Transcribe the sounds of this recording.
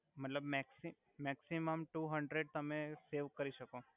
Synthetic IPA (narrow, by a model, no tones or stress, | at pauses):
mət̪ləbmɛksi | mɛksiməmʈuɦəɳɖɾeɖ̚t̪əmeseʋkəɾiʃəko